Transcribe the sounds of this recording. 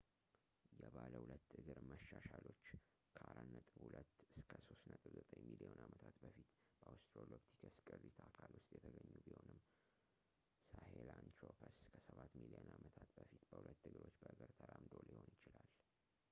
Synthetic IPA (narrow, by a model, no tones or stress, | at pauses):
jɛβaləhulət̪ːɨɡɨɾməʃːaʃalo̞t͡ʃː | kʰəʔaɾanːət̪ʼɨbhulət̪ːɨskʰəso̞st̪nət̪ʼɨbzət̪ʼəɲmilionamət̪ʰat̪bəfit̪b̥əast̪ɾolopt̪ʰikʰəskʼɨrːit̪ʰakʰalwʊst̪ʼjɛt̪ʰəɡəɲːubiho̞nɨmː | sahelant̪ɾopʰəskʰəsəβat̪milionamət̪ʰat̪bəfit̪bəhulət̪ːɨɡɨɾo̞t͡ʃːbəʔɨɡəɾt̪ʰəɾamd̪o̞liho̞njɪt͡ʃɪlal